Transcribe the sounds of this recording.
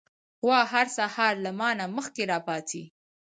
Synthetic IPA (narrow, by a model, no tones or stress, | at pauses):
xwɑɦaɾsahɑɾlamɑnaməxkeɾɑpɑt̪ʰi